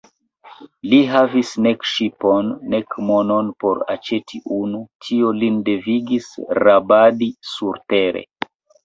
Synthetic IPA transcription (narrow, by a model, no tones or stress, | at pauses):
liɦavisnekʃipo̞nːekmo̞nonpo̞ɾa̰t͡ʃe̞tʰiʔunutʰio̞linde̞viɡisɾabadisuɾte̞ɾḛ